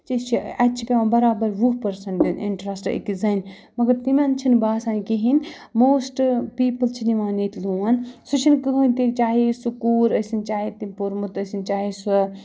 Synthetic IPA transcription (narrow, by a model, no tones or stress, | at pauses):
t͡ʃit͡ʃʰiɐt͡ʃʰipʲeʋãːbɐɾaːbɐɾʋuɦpɐɾsɐɳʈinḭɳʈɾɐsʈḛkizɐn | mɐɡɐɾt̪imʲant͡ʃʰinbaːsaːnkiɦinʲ | moːsʈpiːpɐlt͡ʃʰiniʋaːniːt̪ʰluɐnsut͡ʃʰinkɨɦɐnt̪it͡ʃaːɦesukuːɾɐsint͡ʃaːɦet̪imʲpuɾmut̪ɐsint͡ʃaːɦesu